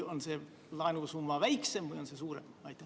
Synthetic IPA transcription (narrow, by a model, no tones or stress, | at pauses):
onse | lɑinusumːɑʋæjksemvujonsesuːɾemɑjt̪ːˑ